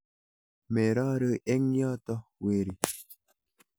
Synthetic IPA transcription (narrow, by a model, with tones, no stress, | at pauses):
me˨ɾa˦ɾə˦ʔe˦ŋja˦tɔ˦we˨ɾi˨